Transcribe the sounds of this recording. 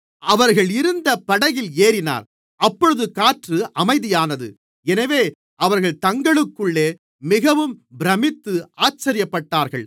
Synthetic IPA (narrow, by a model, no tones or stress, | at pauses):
ʔɐʋɐɾɣɐɭɪɾɯnd̪ɐpːɐɽɐjɪleːɾɪna̰ːɾ | ʔɐpːɔɻɯðɯkaːʈrɯʔɐmɐɪðɪjaːnɐðɯ̰ | ɛnɐʋeː | ʔɐʋɐɾɣɐɭt̪ɐŋɡɐɭɯkːɯɭːeː | mɪɣɐʋɯmbɪɾɐmɪt̪ːɯaːt͡ʃːɐɾɪjɐpːɐʈːaːɾɣɐɭ